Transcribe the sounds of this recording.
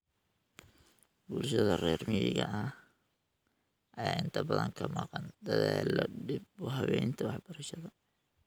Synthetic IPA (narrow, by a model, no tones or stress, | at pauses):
bʊlʃɐðɐrɛːrmɪjɪɣɐʔɐ | ʔɐjaːʔɪnt̪ʰɐbɐðɐŋkʰɐmɑːqɑnd̪ɐðɛlɔɖɪbbɔɦɐβɛjnt̪ʰɐwɑħbɐɾɐʃɐðɐ